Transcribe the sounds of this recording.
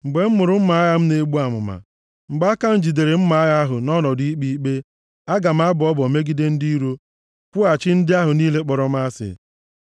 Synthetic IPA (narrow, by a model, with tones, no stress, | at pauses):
ŋ͡m̩˨ɡ͡be˨m̩˦mʊ˨ɾʊ˦m̩˦ma˨˦a˦ja˦m̩˦ne˦ɡ͡bu˦a˨mʊ̰˨ma̰˨ | ŋ͡m̩˨ɡ͡ba˦a˦ka˦n̩˦d͡ʒi˨de˨ɾe˨m̩˦ma˦a˦ɣa˦ɦʊ˨nɔ˦nɔ˨di˦k͡pi˦k͡pe˦ | a˦ɡa˨m̩˦a˦bʊ˨ɔ˦bɔ˨me˦ɡi˦de˦n̩˦di˦ɾu˦ | kʷʊ˦a˨t͡ʃɪ˦n̩˦dɪ˦a˦ɦʊ˨niː˦le˦k͡pɔ˨ɾɔ˨m˦a˦sɪ̰˨